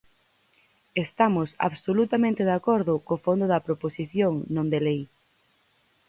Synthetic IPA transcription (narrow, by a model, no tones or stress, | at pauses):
est̪amʊsa̰βsolut̪amẽnt̪eðakoɾðʊkofond̪ʊðɐpɾoposiθjoŋnõnd̪elej